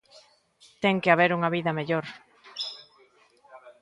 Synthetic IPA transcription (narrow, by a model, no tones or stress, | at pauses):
t̪ɛŋkeaβ̞eɾuŋɐβiðɐmeʎoɾ